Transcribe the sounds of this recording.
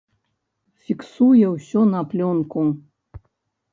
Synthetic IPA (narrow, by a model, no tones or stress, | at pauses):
fʲiksujɛwsʲɔnɐplʲɔnku